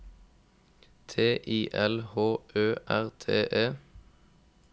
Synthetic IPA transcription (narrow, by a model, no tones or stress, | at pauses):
t̪ʰeːʔiːʔɛlhoːʔøːʔæʁt̪ʰḛːʔeː